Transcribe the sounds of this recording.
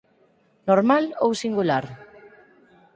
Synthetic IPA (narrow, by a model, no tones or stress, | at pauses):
noɾmalowsiŋɡulaɾ